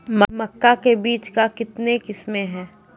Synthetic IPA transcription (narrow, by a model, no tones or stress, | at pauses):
mmɐkːakebiːt͡ʃkakɪt̪nekɪsmẽɦɛ̃ː